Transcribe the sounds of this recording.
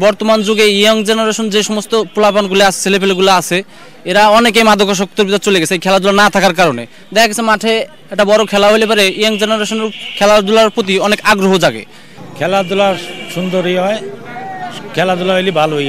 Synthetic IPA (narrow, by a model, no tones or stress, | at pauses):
bɔɾt̪omand͡ʑoɡeioŋd͡ʑenaɾeʃond͡ʑeʃɔmost̪opolapanɡuleasʰe̥t͡ɕʰelepeleɡulaat͡ɕʰe | eɾaɔnek̬ejmad̪ʱokaʃ̬ɔk̚t̪oɾbit̪at͡ɕoleɡɛt͡ɕʰeejkʰɛlad̪ulanat̪ʰakaɾkaɾonḛ | d̪ɛkʰaɡɛsʰemaʈʰe | ɛk̚ʈabɔɾokʰɛlaɦojlepaɾeioŋd͡ʑenaɾeʃoneɾkʰɛlad̪ulaɾpɾot̪̬iɔnekaɡɾoɦod͡ʑaɡḛ | kʰɛlad̪ulaʃund̪oɾɦijɦɔe | kʰɛlad̪ulaɦojlibʱalɦojɡ